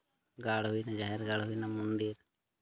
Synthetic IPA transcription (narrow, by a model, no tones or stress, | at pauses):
ɡaːɽɦuinad͡ʒaːɦeɾɡaːɽɦʊinamʊnd̪iɾ